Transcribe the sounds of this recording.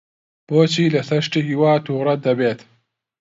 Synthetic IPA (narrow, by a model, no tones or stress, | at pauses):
poːt͡ɕilɐsɐʂʈiɦiwaːt̪uːɾɐd̪ɐbeːt̪